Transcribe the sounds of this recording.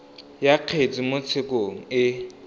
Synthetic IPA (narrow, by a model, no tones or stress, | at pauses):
jaq͡χʰet͡sʼimʊt͡sʰɪkʼoŋ̩ɪ